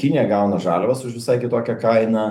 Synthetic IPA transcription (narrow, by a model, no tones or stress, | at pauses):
kʲɪnʲɪjɛɡɐʊnɐʒɑːlʲoʋɐsʊʃʋʲɪsɐɪkʲɪt̪oːkʲɛkɐɪnɐː